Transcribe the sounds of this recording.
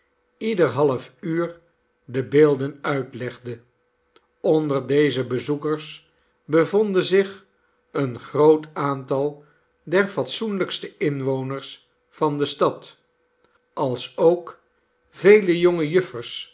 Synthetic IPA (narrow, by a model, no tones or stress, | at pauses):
idəɹɦɑləfyːɹ | dəbeːlˠdənœɥtlɛχdə | ɔndəɹdejzəbəzukəɹs | bəvɔndənzɪχ | ənχrowtaːntɑlˠ | dɛɹfɑtsunləkstəɪnʋownəɹs | fɑndəstɑt | ʔɑlˠsowk | v̥ejləjoŋəjɵfərs